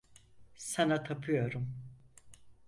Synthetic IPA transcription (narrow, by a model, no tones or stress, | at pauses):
sanat̪ʰapʰɯjo̞ɾum